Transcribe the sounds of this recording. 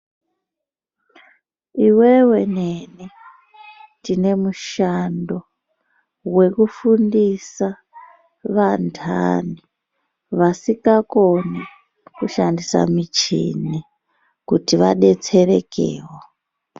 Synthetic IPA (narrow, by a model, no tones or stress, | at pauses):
iwewe̞neni | tine̞muʃando̞ | we̞kufundisa | ʋantʰa̰ni | ʋasikako̞ni | kuʃandisa̰mit͡ʃḭni | kutiʋa̰ɗe̞t͡se̞ɾe̞kḛːwo